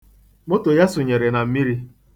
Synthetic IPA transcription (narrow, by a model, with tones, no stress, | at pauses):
mʊ˦tʊ˨ja˦sʊ˨ɲe˨ɾe˨na˨m̩˦mi˦ɾi˦